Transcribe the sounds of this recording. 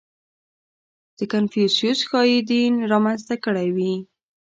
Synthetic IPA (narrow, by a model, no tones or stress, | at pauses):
d̪̥əkanfjusijusxɑjid̪inɾɑmanzt̪akəɽajwi